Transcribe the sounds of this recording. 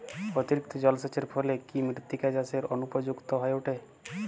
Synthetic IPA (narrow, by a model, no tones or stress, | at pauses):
pɾɔt̪iɾik̚t̪ʰɔd͡ʑɔlset͡ɕeɾpʰolekimɾiɾt̪ikad͡ʑaseɾɔnupɔd͡ʑukt̪ɔɦɔeuʈʰe